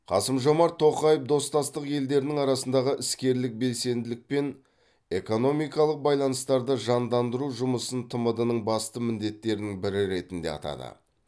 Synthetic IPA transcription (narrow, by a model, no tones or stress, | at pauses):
qʰɑ̰səmʒo̞mɑɾt̪ʰːo̞qɑjəpd̪o̞st̪ɑst̪əqje̞ld̪e̞ɾɪnɪŋɑɾɑsənd̪ɑʁəʔɪskʲe̞ɾlɪk̚be̞lse̞nd̪ɪlɪk̚pe̞n | e̞ko̞no̞mijkɑlˠəq̚bɑjlˠɑnəst̪ɑɾd̪əʒɑnd̪ɑnd̪əɾuʒʊməsənt̪ʰəməd̪ənəɴbɑst̪əmɪnd̪e̞t̪ːe̞ɾɪnɪŋbɪɾɪɾe̞t̪ɪnd̪e̞̰ɑ̰t̪ɑ̰d̪ə̰